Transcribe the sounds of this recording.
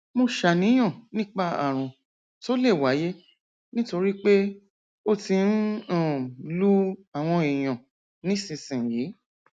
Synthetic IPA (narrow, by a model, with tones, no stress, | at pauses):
mo˧ʃa˨nĩ˨˦j̃ɔ̃˦˨nĩ˦k͡pa˦˨a̰˨ɾ̃ũ˨ | to˦le˦˨wa˨˦je˦ | nĩ˦to˧ɾi˦k͡pe˦ | o˦tĩ˧n̩˦ɔ̃˦˨lu˦a˨w̃ɔ̃˧i˨j̃ɔ̃˨ | nĩ˨˦sĩ˧sĩ˨jiː˨˦